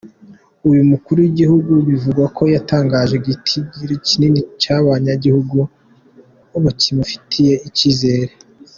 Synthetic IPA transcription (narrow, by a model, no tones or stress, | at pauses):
ujumukuɾujiɟihuɡuβivuɡwakʰo̞jataːŋɡaːʒe̞ɡitʰiɟiɾeciniːnicaβaɲaɟihuɡu | uβutimafi̥tʰije̞iciːze̞ːɾe